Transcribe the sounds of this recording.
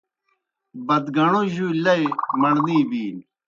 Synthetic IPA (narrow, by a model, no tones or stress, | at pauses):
bɐd̪ɡɐɳoʑulɐjmɐɳniːbiːn